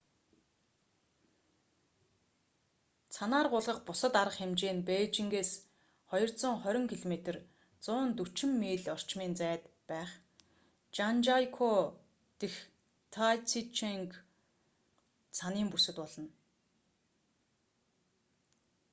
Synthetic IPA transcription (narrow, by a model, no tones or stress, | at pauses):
t͡sʰanaːrɢʊːɮʁə̆χpʊsə̆t̪aɾə̆χxemt͡ɕeːnpeːt͡ɕĭŋɡeːs | χɔjɞ̆r̥t͡sɞ̆ŋχœɾʲɪ̆ŋkʰiɮomet̪ə̆r | t͡sʊːnt̪ut͡ɕɪ̆mːiːɮɔr̥t͡ɕmiːnt͡sæːt̪ | pæːχ | t͡ɕant͡ɕajkʰo | t̪ex | t̪ʰajt͡sʰit͡ɕʰeŋk | saniːmpusɘ̆t̪pɔɮɞ̆n